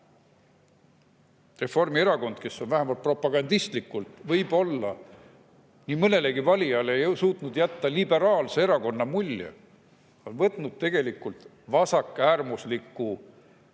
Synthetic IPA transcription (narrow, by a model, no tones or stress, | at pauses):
re̞fo̞rmie̞ɾɑko̞nd̪̥̚ke̞sːo̞nvæɦemɑlt̪̚pro̞pːˑɑɡ̥ɑnd̪̥ist̪likːˑult̪vɤjbo̞lːɑ | nimɤne̞le̞ɡivɑlʲijɑlejsuːt̪nud̪̥jæt̪ːɑlibe̞ɾɑːlse̞eɾɑko̞nːɑmulʲːjḛ | o̞nvɤt̪ˑnud̪̥̚t̪e̞ɡ̥e̞likːˑult̪ | vɑsɑkːˑæːrmuslikːˑu